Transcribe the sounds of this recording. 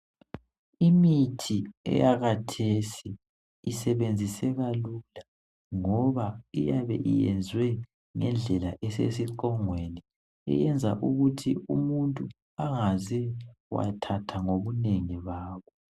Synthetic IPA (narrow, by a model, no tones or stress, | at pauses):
imitʰiɛ̰jaɣatʰesiː | sɛβend͡zʱisɛɣalula | ŋɔβaijaβɛ̰ʔḭjɛnd͡zʱwɛ | ŋɛnd͡ɮʱɛlaʔɛsḛsiǃɔŋweni | ɛ̰jɛnd͡zʱaʔuɣutʰiumuntʼu | aŋazɛwa̰tʰatʰaŋoβuneŋiβaːβɔ